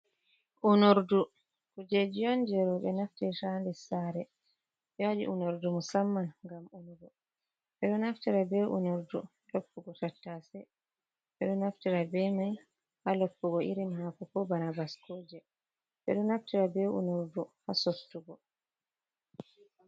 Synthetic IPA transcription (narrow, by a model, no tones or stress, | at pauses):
ʔunoɾdu | kud͡ʒed͡ʒijɔnd͡ʒɛɾɔɓɛnaftɛʃandɛsaɾɛ | jaɗḭʔunoɾdumɔsamːaŋɡamunuɡɔ | ɓɛɗɔnaftiɾabɛʔṵnoɾdu | lopːuɡɔtatːasɛ | ɓɛɗɔnaftiɾabɛmaj | halopːuɡɔʔiɾimhakukɔbanabaskoːd͡ʒɛ | ɓɛ̰ɗɔnaftiɾabɛṵnoɾduhasotːuɡɔ